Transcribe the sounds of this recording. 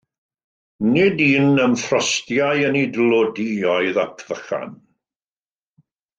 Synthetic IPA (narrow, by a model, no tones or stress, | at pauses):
nɪdiːnəmfrɔstjajənidlˠodiɔɨðapʰv̥əχa̰n